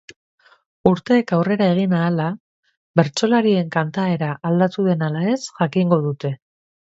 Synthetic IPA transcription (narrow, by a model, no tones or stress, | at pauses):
uɾt̪e̞ːkawre̞ɾae̞ɣ̞inaːla | βe̞ɾt͡ʃo̞laɾie̞ŋkant̪ae̞ɾaʔːld̪at̪uðe̞nalae̞sʝakiŋɡo̞ð̞ut̪e̞